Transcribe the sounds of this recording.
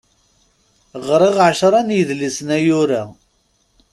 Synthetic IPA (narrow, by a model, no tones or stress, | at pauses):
ʁɾˤɪʁʕʃɾˤɑnjəðlisnæjʊɾæ